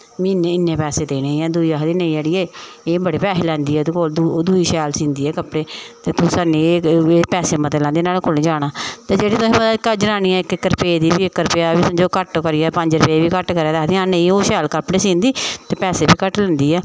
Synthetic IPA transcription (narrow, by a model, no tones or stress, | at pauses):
miːneːɪnːeːpɛːseːt̪eiːneĩːɛːd̪uiːaːɦd̪iːneĩːd͡ʒeːɽiːeːeːbəɽeːpɛːseːlɛ̃ːnd̪iːɛːt̪ːkod̪d̪uːiːʃɛːlsĩːnd̪iːɛːkəpɽeːt̪eːt̪ʊsaːneːeːpɛːseːmət̪elɛ̃ːnd̪eːnaːlkʰʊlĩːd͡ʒaːɽ̃aːt̪eːd͡ʒeːɽiːt̪ʊsĩːəkəd͡ʒənaːniːɛ̃ːɪkɪkːəɾpeːd̪iːbiːɪkːəɾpeaːbiːsʊ̃d͡ʒoːkəʈːkəɾɪjaːpəɲd͡ʒɾəpeːʋiːkəʈkəɾɛːd̪aːt̪iːãːnə̃ĩːoːʃɛːlkəpɽeːsĩːnd̪iːt̪eːpɛːseːbiːkəʈlɛ̃ːnd̪iːɛː